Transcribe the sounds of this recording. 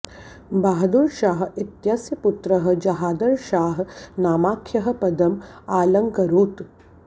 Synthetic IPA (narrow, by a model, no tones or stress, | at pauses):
baːɦɐd̪uɾʃaːɦit̪jaːsjɐput̪ɾɐɦɐ̆d͡ʒɐɦaːd̪ɐɾʃaːɦnaːmaːkʰjɐɦɐ̆pɐd̪ɐmaːlɐŋkɐɾuːt̪